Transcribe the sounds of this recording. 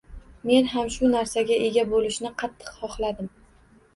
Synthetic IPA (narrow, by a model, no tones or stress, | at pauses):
me̞nɦamʃʊnaɾsaɡʲaʔe̞ɡʲabolɪʃnɪqʰɑt̪ʰːɨ̥qhɒχlad̪ɪm